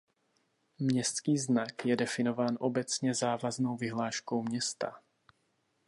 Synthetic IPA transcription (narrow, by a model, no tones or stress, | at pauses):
mɲɛskiːznakjɛdɛfinovaːnʔɔbɛt͡sɲɛzaːvaznowviɦlaːʃkowmɲɛst̪a̰